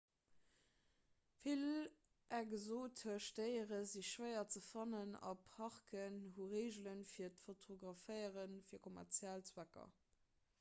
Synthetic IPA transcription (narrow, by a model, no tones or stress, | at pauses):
fil | ʔæɡəzoːtʰəɐʃtəɪəʁəziɕʃwəɪɐt͡səfɑnənɑ̰pʰhɑʁkʰənhuʁeɪʑlənfiːɐtfotʰoɡʁɑfəɪəʁənfiːɐkʰomæ̰ʁt͡sjælt͡swækɐ̰